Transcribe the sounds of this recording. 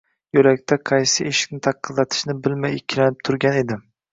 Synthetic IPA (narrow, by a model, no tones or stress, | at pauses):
jɵlakʲt̪ʰaqʰɑjsɪeʃɪ̥kʲnɪt̪ʰɑqʰːɨzlˠɑt̪ʰɪ̥ʃnɪbɪlmajɪkʲʰːɪlanɪp̚t̪ʰʊɾɡʲane̞d̪ɪ